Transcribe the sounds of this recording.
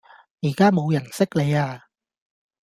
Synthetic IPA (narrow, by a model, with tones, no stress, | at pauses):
jiː˨˩kaː˥mo˨˧wjɐ˨˩nsɪ˥k̚le˨˧jaː˧